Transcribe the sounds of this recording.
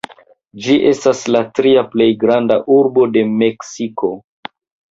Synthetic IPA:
d͡ʒiʔe̞staslatɾiaple̞jɡɾandaʔuɾbo̞de̞meksiko̞

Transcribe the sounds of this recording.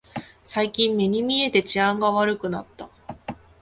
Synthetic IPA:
saikʲĩmːeɲ̟imʲie̞t̪e̞t͡ɕiãŋɡaβaɾɯ̟kɯ̟nat̪ːa

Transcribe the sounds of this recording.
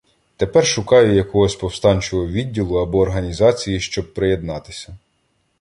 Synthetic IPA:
t̪e̞pɛrʃʊkɑjʊjɐkɔɦɔsʲpɔwst̪ɑnʲt͡ʃɔɦɔʋʲidʲːilˠʊɐbɔːrɦɐnʲizɑt͡sʲijiʃt͡ʃɔb̚pɾeje̞d̪nɑt̪ɪ̥sʲɐ

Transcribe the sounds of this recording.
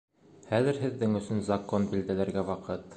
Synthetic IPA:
χæðɘ̆ɾɦɘ̆ðːɘŋɵ̆sɵnzɐkonbild̪ælæɾɡæwɑqɤt̪

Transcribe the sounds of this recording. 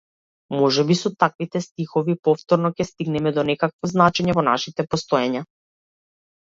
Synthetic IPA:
mɔʒɛbisɔt̪akvit̪ɛst̪ixɔvipɔft̪ɔɾnɔcɛst̪iɡnɛmɛd̪ɔnɛkakvɔznat͡ʃɛɲɛvɔnaʃit̪ɛpɔst̪ɔjaɲa

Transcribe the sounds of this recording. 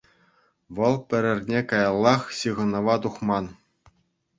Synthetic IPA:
ʋɤ̆lˠpʲɘ̆ɾʲɘ̆rʲnʲekɑjɑlˠːɑχɕɯʁɤ̆nɤ̆ʋɑt̪uχmɑn

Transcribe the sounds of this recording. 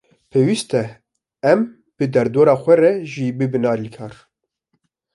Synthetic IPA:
pʰeːwist̪ɛ | ɛm | b̥ɨd̪ɛɾd̪oːɾɑːxʷɛrɛʒibɨbɨnɑːɾilkʰɑːɾ

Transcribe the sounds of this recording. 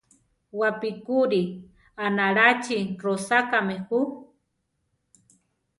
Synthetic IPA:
wapikuɾi | anaɾat͡ʃirosakamehu

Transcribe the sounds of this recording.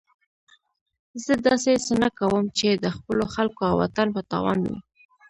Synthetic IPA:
zəd̪ɑsesənakawəmt͡ʃed̪əxpəloxalkoawa̰t̪anpət̪ɑ̰wɑ̰nwḭ

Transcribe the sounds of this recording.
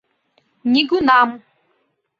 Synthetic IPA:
ɲiɡunamʊ

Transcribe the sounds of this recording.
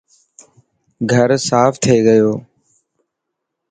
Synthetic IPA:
ɡʱəɾsaːfʰt̪ʰeːɡəjoː

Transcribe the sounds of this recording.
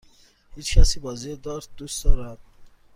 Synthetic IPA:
hit͡ʃkʲʰasibɔzid̪ɔɾ̚d̪̥usd̪ɔɾad̪̚

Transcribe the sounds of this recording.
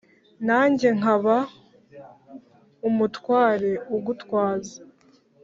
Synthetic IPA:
naːɲɟe̞ŋ̥aβa | umutwaːɾe̞uɡutkwaːzḁ

